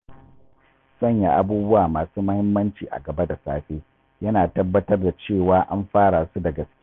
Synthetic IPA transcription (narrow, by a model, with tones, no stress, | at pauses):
sɐ˦˨ɲja˨ʔa˦buː˦bʊ˦waː˨maː˨suː˦mɐ˦hɪ˦mːɐ˦nt͡ʃiː˨ʔa̰˨ɡɐ˨ba˦da˨saː˦ɸeː˦ | jɐ˦naː˨tɐ˦bːɐ˦tɐ˦rda˨t͡ʃeː˦˨waː˦ʔa̰˦mɸaː˦ɽa˨su˦da˨ɡɐ˨skʲː